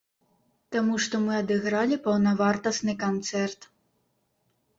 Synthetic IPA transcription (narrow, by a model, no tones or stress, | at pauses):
t̪amuʂt̪ɔmɨɐd̪ɨɣɾalʲipɐwnɐvart̪ɐsnɨkant̪sɛrt̪